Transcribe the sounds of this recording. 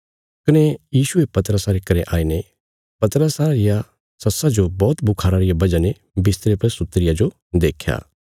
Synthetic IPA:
kɪnejiːʃʊepɐt̪əɾəsaɾekɐɾeʔaːine | pɐt̪əɾəsaɾɪja | sɐsad͡ʒobɔːt̪bʊkʰaːɾaɾɪjabɐd͡ʒane | bɪst̪ɾepɐɾsʊt̪ːɾɪjad͡ʒo | d̪eːkʰja̰ː

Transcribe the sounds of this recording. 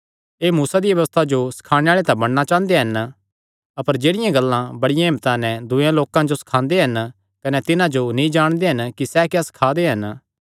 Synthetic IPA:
eːmuːsad̪iʋɐʋəst̪ʰad͡ʒosɐ̥kʰaːɽ̃eaːɭet̪ãbɐɽ̃nat͡ʃãːnd̪eɦɐn | ɐpəɾd͡ʒeːɽɪjãɡɐlːãbɐɽɪjãɦɪ̃mt̪anɛ̃d̪ʊjãloːkãd͡ʒosɐ̥kʰãːnd̪eɦɐn | kɐnɛt̪ɪnãd͡ʒonĩd͡ʒaːɽ̃d̪eɦɐnkisɛkjasɐ̥kʰaːd̪eɦɐn

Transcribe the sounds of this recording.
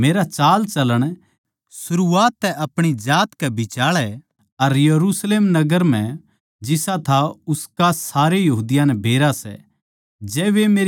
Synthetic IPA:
meːɾat͡ʃaːlt͡ʃɐləɽ̃ | sʊɾuaːt̪ːɛʔɐpɽ̃id͡ʒaːt̪kɛbʱɪt͡ʃaːɭɛ | ɐɾjɐɾusleːmnɐɡəɾm̤ɛ̃ | d͡ʒɪsat̪ʰaʊskasaːɾejɐɦuːd̪ɪjãnɛbʱeːɾasɛ̰ | d͡ʒɛːʋemeːɾ

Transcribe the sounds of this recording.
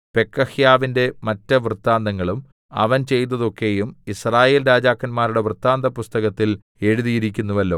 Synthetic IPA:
pe̞kːɐhjaːʋinde̞mɐtːɐʋrɨt̪ːaːnd̪ɐŋːɐɭum | ɐ̰ʋɐnt͡ɕe̞jt̪ːɐðo̞kːe̞jumisraːje̞ːlɾaːd͡ʑaːkːɐnmaːɾuɽe̞ʋrɨt̪ːaːnd̪ɐpust̪ɐɣɐt̪ːil | e̞ɻuðijiɾikʲːunːuʋɐlːo̞̰ː

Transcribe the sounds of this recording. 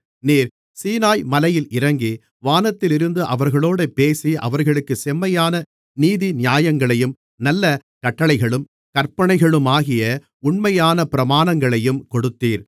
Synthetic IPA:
niːɾ | siːnaːjmɐlɐjɪlɪɾɐŋɡi | ʋaːnɐt̪ːɪlɪɾɯnd̪ɯʔɐʋɐɾɣɐɭoːɽɐpːeːsiʔɐ̰ʋɐɾɣɐɭɯkːɯsɛmːɐjaːnɐ | niːðinɪjaːjɐŋɡɐɭɐjɯm | nɐlːɐ | kɐʈːɐɭɐɪɣɐɭɯm | kɐɾpɐɳɐɪɣɐɭɯmaːɣɪjɐ | ʊɳmɐjaːnɐpɪɾɐmaːnɐŋɡɐɭɐjɯmkɔɽɯt̪ːiːɾ

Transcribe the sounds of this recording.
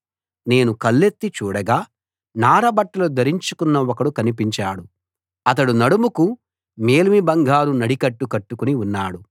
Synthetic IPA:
ne̞ːnukɐlːet̪ːit͡ʃuːɽɐɡaː | naːɾɐbɐʈːɐlud̪ɐɾiɲt͡ʃukunːɐɔkɐɽukɐnip̬iɲt͡ʃaːɽu | ɐt̪̬ɐɽunɐɽumuku | me̞ːlmibɐŋɡʱaːɾunɐɽikɐʈːukɐʈːukuniunːaːɽu

